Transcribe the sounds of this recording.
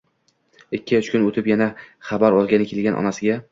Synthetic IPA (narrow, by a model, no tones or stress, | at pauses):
ɪkʲːɪt͡ʃkʲʊnot̪ʰɪpjanaχabaɾɒlˠɡʲanɪkʲʰe̞lɡʲanʔɒ̰nasɪɡʲa